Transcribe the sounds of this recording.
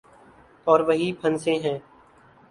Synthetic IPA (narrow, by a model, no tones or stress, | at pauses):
ɔːɾʋəɦipʰənsẽːɦɛ̃ː